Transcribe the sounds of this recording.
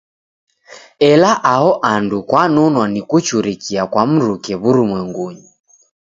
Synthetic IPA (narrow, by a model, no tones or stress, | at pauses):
ɛlaʔaɦɔʔandukwanɔnwanikut͡ʃuɾikiakwam̩ɾukɛβuɾumwɛŋɡuɲi